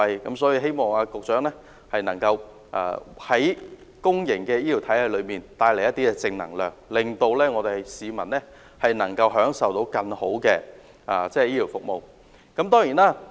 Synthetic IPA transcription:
jkɐ˨˥msɔː˨˥ji˧ɦe˥jmɔː˨˩ŋaː˧kʊ˨k̚t͡ʃœː˨˥ŋlɛː˥ | hɐ˨jnɐ˨˩ŋkɐ˧w | ʔa̰ː˧hɐ˨˥j | kʊ˥ŋjɪ˨˩ŋkɛː˧jiː˥t̪i˨˩wt̪ʰɐ˨˥jhɐ˨˧jlɵ˨˧ɥmiː˨˩nt̪aː˧jle˨˩jːɐ˥t̪ːiː˥kɛː˧t͡sɪ˧ŋnɐ̰˨˩ŋlœː˨˩ŋlɪ˨ŋt̪o˧wlɛː˥ŋɔː˨˧t̪e˨siː˨˧mɐ˨˩nlɛː˥ | hɐ˨jnɐ˨˩ŋkɐ˧wɦœː˨˥ŋsɐ˨wt̪o˨˥wkɐ˧ŋho˨˥wkɛː˧ | ʔaː˨˧t͡sɛː˥˨jiː˥t̪ʰi˨˩wfʊ˨k̚mo˨w | kɐ˨˥mt̪ɔː˥ŋjiː˨˩naː˦˥

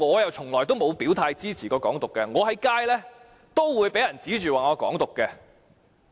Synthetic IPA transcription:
ŋɔː˨˧jɐ˨wt͡sʰʊ˨˩ŋlɔː˨˩jt̪o˥wmo˨˧wpiː˨˥wt̪ʰaː˧jt͡siː˥t͡sʰiː˨˩kɔː˧kɔː˨˥ŋt̪ʊ˨kːɛː˧ŋɔː˨˧ɦɐ˨˥jkaː˥jlɛː˥ | t̪o˥wwuː˨˧jpe˨˥jɐ˨˩nt͡siː˨˥t͡ʃyː˨waː˨ŋɔː˧kɔ̰ː˨˥ŋt̪ʊ˨kːɛ˧

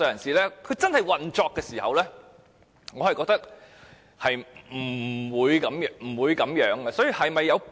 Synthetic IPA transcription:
œː˧jɐ˨˩nsiː˨˩lɛː˥kʰɵ˨˧t͡sɐ˥nhɐ˨jwɐ˨nt͡ʃɔː˧kːɛː˧siː˨˩hɐ̰˨wlɛː˥ | ŋɔː˨˧hɐ˨jkɔː˧k̚t̪ɐ˥k̚ | hɐ˨jm̩˨˩wuː˨˧jkɐ˨˥mjm̩˨˩wuː˨˧jkɐ˨˧˥mjœː˨˥ŋɡɐ˧sɔː˨˥ji˨hɐ˨jmɐ˨jːɐ˨˧w

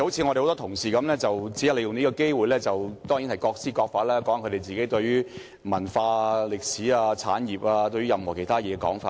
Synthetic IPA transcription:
o˨˦˥wt͡sʰiː˧ŋɔ˧ɾe˨˩hwt̪ɔː˥t̪ʰʊ˨˩ŋsiː˨˩kɐ˨˦mlɛː˥t͡sɐ˨wt͡si˨˥ɐ˥le˧jʊ˨ŋniː˥kɔ˧ke˥jwuː˨jlɛː˥t͡sɐ˨wt̪ɔː˥ŋji˨˥nhɐ˨˩jkɔː˧k̚siː˥kɔː˧k̚faː˧t̚lɛː˥kɔː˨˥ŋkʰt̪e˨jt͡siː˨ke˨˥jt̪ɵ˧ɥyː˥ | mɐ˨˩nfaː˧lɪ˨k̚siː˨˥aː˧t͡sʰa̰ː˨˥njiː˨˩p̚aː˧t̪ɵ˧ɥy˥jɐ˨mhɔː˨˩kʰe˨˩jt̪ʰaː˥jɛː˨˧kɛ˧kɔ̰ː˨˥ŋfaː˧

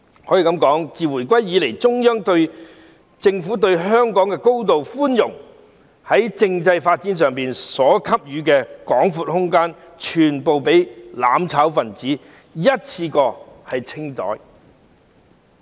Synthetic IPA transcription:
hɔː˨˥jiː˨˩kɐ˨˥mkɔː˨˥ŋt͡siː˨wu˨˩jkʷɐ˥jːiː˨˧le˨˩jt͡sʊ˥ŋjœː˥ŋt̪ɵ˧ɥ | t͡sɪ˧ŋfuː˨˥t̪̬ɵ˧ɥɦœː˥ŋkɔː˨˥ŋkɛː˧ko˥wt̪̬o˨wfuː˥njʊ˨˩ŋ | hɐ˨˥jt͡sɪ˧ŋt͡sɐ˧jfaː˧t̚t͡siː˨˥ns̬œː˨ŋpiː˨nsɔː˨˥kʰɐ˥p̚jyː˨˧k̬ɛː˧kɔː˨˥ŋfu˧˥t̚hʊ˥ŋkaː˥n | t͡ʃʰyː˨˩npo˨wpe˨˥jla̰ː˨˥mt͡sʰaː˨˥wfɐ˨nt͡siː˨˥ | jɐ˥t̚t͡sʰiː˧kɔː˧hɐ˨jt͡sʰɪ˥ŋt͡sɔ̰ː˨˥j

